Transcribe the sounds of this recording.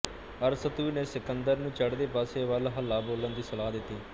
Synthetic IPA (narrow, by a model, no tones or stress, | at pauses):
əɾsət̪uineːsɪkənd̪əɾnũːt͡ʃəɽd̪eːpaːseːʋəlɦəlːaːboːlənd̪iːsəlaːd̪ɪt̪ːiː